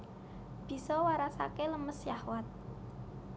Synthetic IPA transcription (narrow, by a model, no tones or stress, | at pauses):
b̥i̤sɔwaɾasa̰keləməsjahwat̪̚